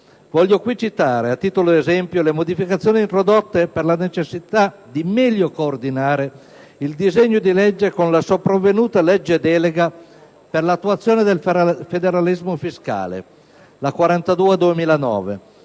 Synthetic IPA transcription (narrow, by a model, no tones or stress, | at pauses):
vɔʎːjokwit͡ʃit̪aːɾeat̪ːiːt̪oloezɛmpjolemod̪ifikat̪sːjoːniːnt̪ɾod̪ot̪ːeperlanet͡ʃesːit̪ad̪imɛʎːokoːrd̪inaːɾe | ild̪izeɲːod̪ilɛd͡ʒːekonlasopɾavːenuːt̪alɛd͡ʒːed̪ɛːleɡa | perlat̪ːuat̪sːjoːned̪elfed̪eɾalizmofiska̰ːlḛ | lakwaɾant̪ad̪uːed̪uemiːlanɔ̰ːve